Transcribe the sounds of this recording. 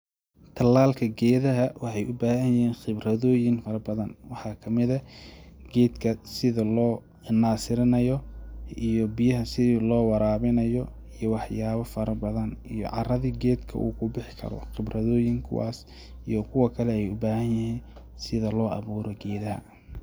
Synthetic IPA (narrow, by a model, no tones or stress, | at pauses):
t̪ʰɐlːaːlkʰɐɡɛːðɐɦɐwɑħɑjʊbaːhɐnjɪhiːnχɪbrɐðɔːjɪnfɐɾɐbɐðɐnwɑħɑːkʰɐmɪðɐɡɛːd̪kʰɐsɪðɐlɔː | naːsɪɾɪnɐjɔijɔbɪjɐɦɐsɪðiːlɔːwɑɾaːβɪnɐjɔ | ijɔwɑħjaːβɐfɐɾɐbɐðɐnijɔ̰ʕɑ̰rɐðiːɡɛːd̪kʰɐ̰ʔṵːkʰʊbɪħɪkʰɐ̰ɾɔ̰χɪbrɐðɔːjɪŋkʰʊ̰wa̰ːs | ḭjɔkʰʊwɐkʰɐlɛɛjʊ̰baːhɐnjɪhiːn | sɪðɐlɔːʔɑ̰βuːɾɔɡɛːðɐhɐ̰